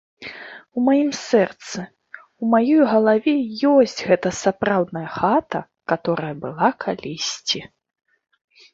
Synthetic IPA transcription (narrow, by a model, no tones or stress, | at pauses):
umajimsɛrt̪sɨ | umajɔjɣɐlˠavʲɛjɔsʲt͡sʲɣɛt̪ɐsapɾawd̪nɐjɐxat̪ɐ | kat̪ɔɾɐjɐbɨlˠakʰalʲisʲt͡sʲi